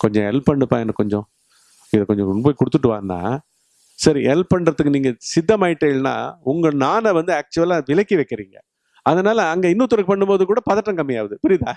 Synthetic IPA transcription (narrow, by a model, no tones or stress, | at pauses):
kɔɲd͡ʒɔ̰̃ɛ̰lpːɐɳːɯpãːɛnːɐkɔɲd͡ʒɔ̃ | ɪðɐkɔɲd͡ʒɔ̃poːjkʊɽɯt̪ːɯʈ̬ːɯʋa̰ːnd̪ã̰ː | sɐɾiʔɛlpːɐɳːɾɐt̪ːɯkːɯniːŋɡɐsɪd̪ːɐmaːjɪʈːeːlnã̰ːʊŋɡɐɭnaːnɐʋɐnd̪ɯaːk̚t͡ʃɯʋɐlãːʋɪlɐkːiʋɐɪkːɪɾiːŋɡɐ | ɐðɐnaːlɐːŋɡɐɪnːuːt̪ːɔɾɐkːɯpɐɳːɯmpoːðɯkuːɽɐpɐðɐʈːɐ̃ŋkɐmːɪjaːʋɐðɯpʊɾɪðaː